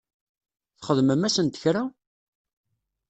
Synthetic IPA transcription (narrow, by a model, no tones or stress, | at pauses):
θχəðməmæsənt̪ə̥çɾa